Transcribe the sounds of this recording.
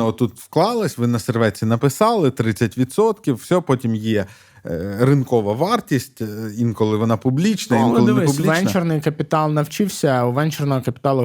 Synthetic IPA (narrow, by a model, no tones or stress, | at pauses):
ɔt̪ːut̪wklˠɑlˠɐsʲʋɪnɐserʋɛt͡sʲinɐpɪsɑlˠɪt̪ɾɪt͡sʲːɐtʲʋʲit̪sɔt̪kʲiwːsʲɔpɔtʲimjɛ | rɪnkɔʋɐʋɑrtʲisʲtʲinkɔlˠɪʋɔnɑpʊblʲit͡ʃnɐinlˠɔlpʊlʲiʋɛnt͡ʃernɪjkɐpʲɪt̪ɑlˠnɐwt͡ʃɪwsʲɐuʋɛnt͡ʃernɔɦɔkɐpʲɪ̥t̪ɑlˠɐ